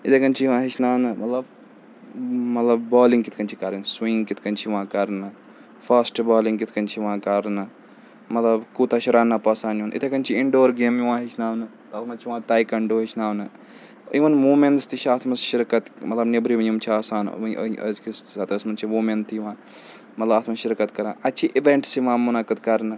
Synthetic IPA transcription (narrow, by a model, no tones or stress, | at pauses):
it̪ekɐnt͡ʃʰijʋãːɦit͡ʃʰnaːnɨmɐt̪lɐb̚ | mɐt̪lɐb̚baːlĩŋɡkit̪ʰkɐnt͡ʃʰikɐɾɐnswĩŋɡkit̪ʰkɐnʲt͡ʃʰiʋãːkɐɾnɨ | fʰɐsʈbaːlĩŋɡkit̪ʰkɐnt͡ʃʰiʋãːkɐɾnɨ | mɐt̪lɐbkut̪aʃiɾaːnːapɐsaːnjunʔḭt̪ʰekɐnt͡ʃʰiiɳɖoːɾɡeːmjuʋãːɦit͡ʃʰnaːwnɨ | t̪ɐːt̪ʰmɐnt͡ʃʰiʋãːt̪aːjkɐɳɖoːɦit͡ʃʰnaːwnɨ | iʋɐnmuːmenst̪it͡ʃʰaːt̪ʰmɐsʃiɾkɐt̪mɐt̪lɐbnebɾiʋɐjumt͡ʃʰiaːsaːn̰ɐ̰zkisɐt̪ɐsmɐnt͡ʃʰimuːment̪ʰːijiʋãː | mɐt̪lɐbaːt̪ʰmɐnʃiɾkɐt̪kɐɾãːɐt͡ʃʰiʔiʋeɳʈsiʋãːmunakɨt̪kɐɾnɨ